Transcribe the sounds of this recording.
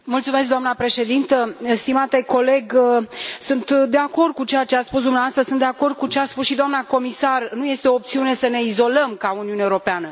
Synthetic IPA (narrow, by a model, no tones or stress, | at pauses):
mult̪sume̞s̬kd̪oamnapɾe̞ʃe̞d̪int̪əst̪imat̪e̞ko̞le̞ɡ | sunt̪d̪e̞ako̞rd̪̚kut͡ʃejat͡ʃeat̪spusd̪umneavast̪ɾəsunt̪d̪e̞ako̞rd̪̚kut͡ʃeaspusʃid̪oamnako̞misarnuje̞st̪eo̞ːp̚t̪siune̞səne̞izo̞ləmkauniuneuɾo̞peanə